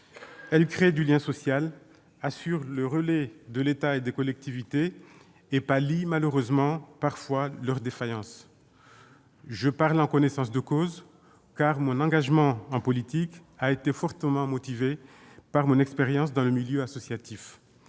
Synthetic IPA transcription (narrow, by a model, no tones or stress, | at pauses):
ɛlkχed̪yljɛ̃sɔsjal | asyʁləʁəlɛd̪əlet̪aed̪ekɔlɛk̚t̪ivit̪eː | palimaløʁøzmɑ̃paʁfwalœʁd̪efajɑ̃s | ʒəpaʁlɑ̃kɔnɛsɑ̃sd̪əkoz | kaʁmɔ̃nɑ̃ɡaʒmɑ̃ɑ̃pɔlit̪ikaet̪efɔʁt̪əmɑ̃mɔt̪ive | paʁmɔ̃nɛkspeʁjɑ̃sd̪ɑ̃ləmiljøasɔsjat̪if